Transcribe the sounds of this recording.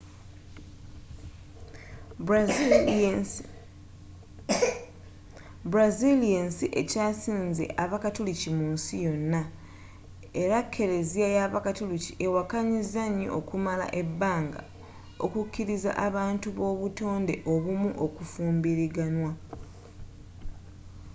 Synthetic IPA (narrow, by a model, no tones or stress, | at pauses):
bɾazilijensiʔe̞caːsiːnzḛʔaβakatulucimuːnsijo̞nːa | eɾakʰːe̞ɾe̞ziajaβakatuluciʔewakaɲizaɲːo̞̰ʔːkumala̰ʔe̞bːaːŋɡa̰ | o̰kucʰːiɾiza̰ʔaβaːntuβo̞ːβuto̞ːnde̞ʔo̞βumuʔo̞kufuːmbiɾiɡanwa